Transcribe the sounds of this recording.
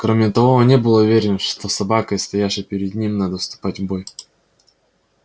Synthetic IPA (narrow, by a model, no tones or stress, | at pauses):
kɾomʲɪt̪ɐvo̞nʲebɨlˠəʊvʲeɾʲɪnəʂt̪osɐbakəjst̪ɐjaʂɨpʲɪɾʲɪd̪nʲimnad̪əfst̪ʊ̥patʲvboj